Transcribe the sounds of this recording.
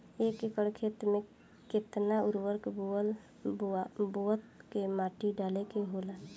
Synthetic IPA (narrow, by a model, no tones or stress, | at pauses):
ekekəɽkʰet̪mẽ | kɪt̪naʊɾwəɾkboəl | boət̪kemaːʈiɖaːlekeɦola